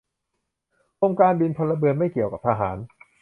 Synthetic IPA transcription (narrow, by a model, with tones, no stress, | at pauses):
ʔoː˧ŋkaː˧nbi˧npʰo˧nla˧bɯ˧ənma˥˩jki˨˩əwkaː˨˩p̚t̪ʰa˧ɦaː˩˦n